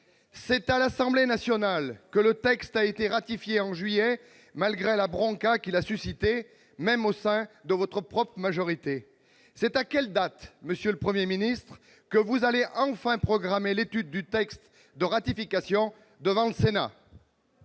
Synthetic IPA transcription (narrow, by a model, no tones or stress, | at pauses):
sɛt̪alasɑ̃blenasjɔnalkələt̪ɛkst̪aet̪eʁat̪ifjeɑ̃ʒɥijɛ | malɡʁelabʁɔ̃kakilasysit̪e | mɛmosɛ̃d̪əvɔt̪χəpχɔpχəmaʒɔʁit̪e | sɛt̪akʲɛld̪at̪məsjøləpχəmjeminist̪χ | kəvuzaleʔɑ̃fɛ̃pχɔɡʁamelet̪yd̪̚ːyt̪ɛkst̪ | d̪əʁat̪ifikasjɔ̃ | d̪əvɑ̃ləsena̰